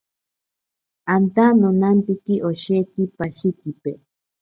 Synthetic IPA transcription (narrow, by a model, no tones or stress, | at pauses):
ant̪anonampikiʔoʃekipaʃik̪ipe